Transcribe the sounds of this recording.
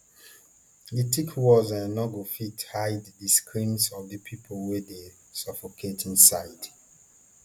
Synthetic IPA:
ditikʰwɔzãnnɔɡofithaɪddiskʰɹĩnsɔvdəpʰipʰolˠwede | sʌfokʰetʰĩnsaɪd

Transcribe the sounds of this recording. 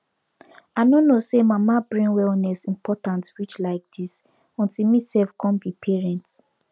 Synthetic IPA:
anonosemamabɹĩnwɛlnɛsĩmpʰɔtãntwit͡ʃlaɪk̚d̥is | ɔ̃ntilmisɛlfkʰɔ̃nbipʰɛɹɛ̃nt

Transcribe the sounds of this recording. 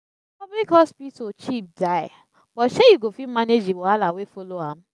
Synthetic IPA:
pɔbblikɔspitot͡ʃip̚daɪ | b̥ɔtʃejuɡofimaned͡ʒiwalawefoloãm

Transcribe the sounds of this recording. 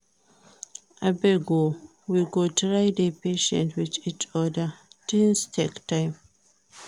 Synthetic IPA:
ʔabeɡo | wiɡotɹaɪdepeʃɛ̰̃ntʰwit͡ʃit͡ʃɔdad̥instʰektãɪm

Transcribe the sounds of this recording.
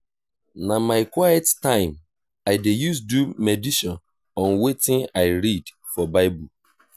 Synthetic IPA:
namaɪkwajɛttãɪ̃m | aɪdejus̬dumediʃɔ̃n | ɔ̃nwetɪ̃naɪɾid | fɔbaɪbul

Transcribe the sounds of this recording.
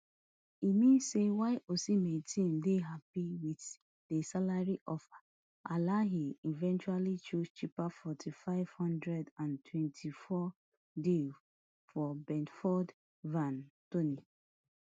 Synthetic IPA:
imĩnsewaɪʔosimetʰĩndeɦapiwit | d̥esalaɹiʔɔfa | alaɦiivɛ̃nt͡ʃualit͡ʃust͡ʃipafɔtʰifaɪv̥hɔ̃ndɹɛdãntʰwɛ̃ntʰifɔ | dil | fɔbɛ̃ntfɔd | vãntoni

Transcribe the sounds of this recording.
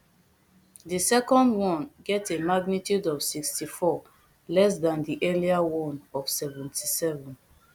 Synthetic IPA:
disɛkɔ̃ndwɔ̃nɡɛtemaɡnitjudɔvsikstifɔ | lɛs̬dãndiʔɛliawɔ̃nɔv̥sɛvɛ̃ntʰisɛvɔ̃n

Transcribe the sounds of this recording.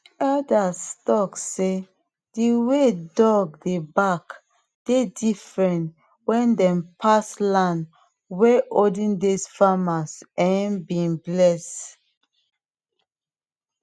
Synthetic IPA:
adastɔkse | d̥iwedɔɡ̚debak | d̥edifɹɛ̃nt | wɛ̃ndɛ̃mpʰaslãn | wɛʔodĩndisfamasɛ̃nbinblɛs

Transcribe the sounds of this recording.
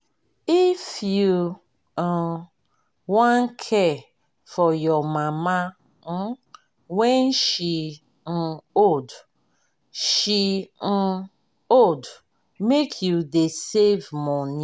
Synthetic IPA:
ifju | wãnkʰɛ | fɔjɔmama | wɛ̃nʃi | n̩od | ʃin̩ | od | mekʰjudesevmɔnĩ

